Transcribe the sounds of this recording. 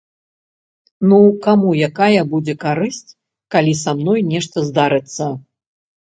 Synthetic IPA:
nukamujakajɐbud͡zʲɛkaɾɨsʲt͡sʲ | kalʲisamnɔjnʲɛʂt̪ɐzd̪aɾɨt̪sːɐ

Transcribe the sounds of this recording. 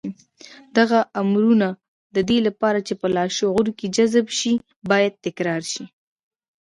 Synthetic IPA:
d̪aɣaamɾuna | d̪əd̪elapɑɾat͡ʃepəlɑʃoɣʊɾked͡ʒazbʃi | bɑjad̪̚t̪ɪkɾɑɾʃi

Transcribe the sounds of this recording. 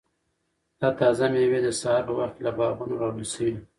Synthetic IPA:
d̪̥ɑt̪ɑzamewed̪əsaɦɑɾpəwaxt̪labɑɣunoɾɑwusəwi

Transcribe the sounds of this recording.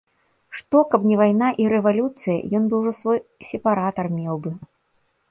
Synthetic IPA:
ʂt̪ɔkɐbnʲɛvajnaʔiɾɛvalʲut̪sɨjɐ̰jɔnbɨwʐɔsvɔjsʲɛpaɾat̪ɐrmʲɛwbɨ

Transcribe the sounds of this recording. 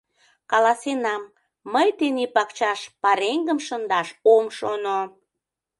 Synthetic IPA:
kɑlɑsenɑmː | əjt̪enepɑkt͡ɕɑʃpɑɾeŋɡəmʃənd̪ɑʃomʃono

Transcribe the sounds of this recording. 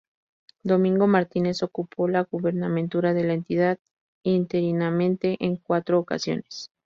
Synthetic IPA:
d̪o̞mĩŋɡo̞maɾt̪ine̞so̞kupʰo̞laɣuβe̞ɾnamẽ̞nt̪uɾaðe̞laent̪iðað | int̪e̞ɾinamẽ̞nt̪e̞ʔeŋkwat̪ɾo̞ːka̰sjo̞̰ne̞̥s

